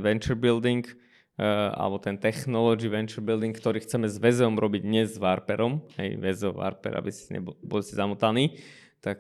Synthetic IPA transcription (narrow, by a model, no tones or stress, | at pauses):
ʋɛnt͡ʃɛɾbild̪iŋk | a̰lɛbɔt̪ɛnt̪ɛxnɔlɔd͡ʒiʋɛnt͡ʃɛɾbild̪iŋkkt̪ɔɾiːxt͡sɛmɛzʋɛzɛɔmɾɔbiɟɲɛzʋaɾpɛɾɔmhɛ̰jʋɛzɛʋa̰ɾpɛ̰ɾʔa̰bisɲɛ̰bɔlsizamut̪aniː | t̪ak